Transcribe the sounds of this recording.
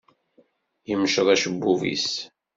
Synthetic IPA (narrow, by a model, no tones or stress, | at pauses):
jəmʃəðˤæʃəbːuvḭs